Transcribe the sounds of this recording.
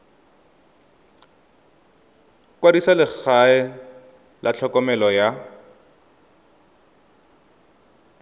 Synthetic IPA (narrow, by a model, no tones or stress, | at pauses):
kwadisalɪk͡xaɛ | lʔat͡ɬʰɔkɔmɛlɔja